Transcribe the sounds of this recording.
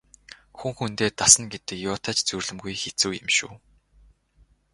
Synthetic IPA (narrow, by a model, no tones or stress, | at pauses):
xuŋxunt̪eːt̪asə̆nɡet̪ɘ̆kjʊːt̪ʰat͡ɕt͡surɮɘ̆mɡujxet͡suːjɪ̰̆mʃṵː